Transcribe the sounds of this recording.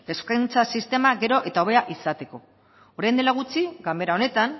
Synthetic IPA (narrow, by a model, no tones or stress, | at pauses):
e̞skajnt͡sasist̪e̞maɣe̞ɾo̞ʔe̞t̪aoβe̞aʔisat̪e̞ko̞ | oɾajnd̪elaɣ̞ut͡siɣame̞ɾao̞ne̞t̪an